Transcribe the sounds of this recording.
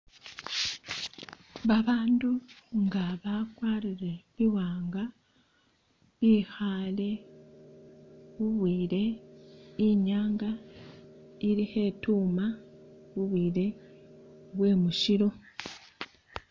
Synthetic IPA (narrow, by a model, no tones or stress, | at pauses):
βaβaːnduŋɡaβakwaːɾiɾe̞βiwaːŋɡa | βiːxale̞ | βuβwiːɾe̞ | iɲaːŋɡa | iɾihe̞tuːmaβuβwiːɾe̞ | βwe̞ːmuʃiɾo̞